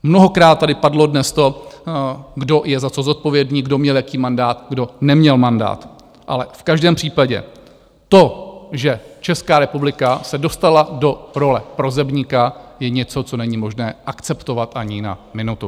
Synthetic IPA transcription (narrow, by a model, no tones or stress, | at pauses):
mnoɦo̞kɾaːt̪̚ːadɪpadlo̞dnɛst̪o̞ | ɡdo̞jɛzat͡so̞zot̪̚po̞vjɛdniːɡdo̞mɲɛljakiːmandaːt̪ɡdo̞nɛmɲɛlmanda̰ːt̪ | ʔa̰lɛfkaʒdɛːmpr̥iːpaɟɛ̰ | t̪o̞ʒɛt͡ʃɛskaːɾɛpublɪkasɛdo̞st̪alado̞ɾo̞lɛpɾo̞zɛbɲɪkajɛɲɛt͡so̞t͡so̞nɛɲɪmo̞ʒnɛːʔakt͡sɛpt̪o̞vat̪ʔaɲɪna̰mɪnut̪u